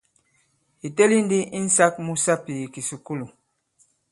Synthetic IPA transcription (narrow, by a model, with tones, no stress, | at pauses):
i˨tɛ˦li˦n˦di˦i˦n̩˦sa˦k̚mu˦sa˦pi˨i˨ki˨su˨ku˦lu˨